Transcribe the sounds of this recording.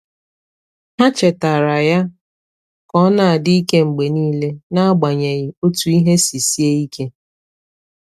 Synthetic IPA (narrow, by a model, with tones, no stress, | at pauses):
ha˦t͡ʃe˨ta˨ɾa˨ja˦ | kɔ˦na˨a˨dɪ˦i˦ke˦ŋ͡m̩˨ɡ͡be˨niː˦le˦na˦a˦ɡ͡ba˨ɲe˨ɣɪ˨o˦tu˨i˦ɦe˦si˨si˦e˦i˦kʰe˦